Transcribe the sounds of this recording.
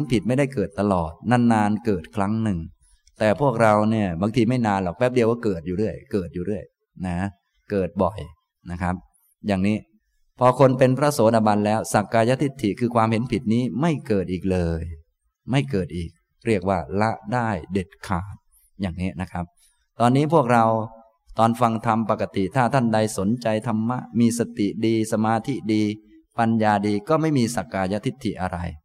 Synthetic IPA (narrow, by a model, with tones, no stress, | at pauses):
npʰi˨˩t̪̚ma˥˩jda˥˩jkɤː˨˩t̪ːa˧lɔː˨˩t̪̚naː˧˩nːaː˧nkɤː˨˩t̪̚kʰɾa˦˥ŋnɯ˨˩ŋ | t̪ɛː˨˩pʰu˥˩ək̚ɾa˧wni˥˩ɐbaː˧ŋt̪ʰiː˧ma˥˩jnaː˧nlɔ˨˩k̚wɛː˦˥p̚di˧əwka˥˩kɤː˨˩t̪̚juː˨ɾɯ˥˩əjkɤː˨˩t̪̚juː˨˩ɾɯ˥˩əj | na˦˥ | kɤː˨˩t̪̚bɔ˨˩j | na˦˥kʰa˦˥p̚ | jaː˨˩ŋniː˦˥ | pʰɔː˧kʰo˧npe˧npʰɾa˦˥soː˨˩˦da˧˩ba˧nlɛː˦˥wsa˨˩kːaː˧ja˦˥t̪ʰi˦˥t̪ʰːi˨˩kʰɯː˧kʰwaː˧mɦe˨˦npʰi˨˩t̪̚niː˦˥ma˥˩jkɤː˨˩t̪ʔiː˨˩k̚lɤː˧j | ma˥˩jkɤː˨˩t̪̚ʔiː˨˩k̚ | ɾi˥˩ək̚waː˥˩la˦˥ʔdaː˥˩jde˨˩t̪̚kʰaː˨˩t̪̚ | jaː˨˩ŋniː˦˥na˦˥kʰa˦˥p̚ | t̪ɔː˧nːiː˦˥pʰu˥˩ək̚ɾa˧w | t̪ɔː˧nfa˧ŋt̪ʰa˧mpa˨˩kːa˧t̪i˨˩t̪ʰaː˥˩t̪ʰa˥˩nda˧jso˩˦nt͡ɕa˧jt̪ʰa˧mːa˦˥ʔmiː˧sa˧t̪i˨˩diː˧sa˧maː˧t̪ʰi˦˥diː˧ | pa˧njaː˧diː˧kɔː˥˩ma˥˩jmiː˧sa˨˩kːaː˧ja˦˥t̪ʰi˦˥t̪ʰːi˨˩ʔa˧ɾa̰˧j